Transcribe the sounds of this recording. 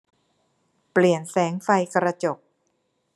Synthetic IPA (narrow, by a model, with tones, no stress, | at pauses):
pli˨˩ənsɛː˩˦ŋfa˧jkɾa˧t͡ɕo˨˩k̚